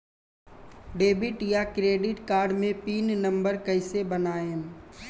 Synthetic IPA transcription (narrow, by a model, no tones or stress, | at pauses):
ɖeːbɪʈjakɾeːɖɪʈkaːɾɖmẽpiːnnɐ̃mbəɾkɐɪsebənaːẽ